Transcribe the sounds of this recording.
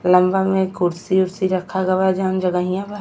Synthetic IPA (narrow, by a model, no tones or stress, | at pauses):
lɐmbamẽkʰʊɾsiʊɾsiɾɐkʰaɡɐʋad͡ʒaːnd͡ʒɐɡaɦijãba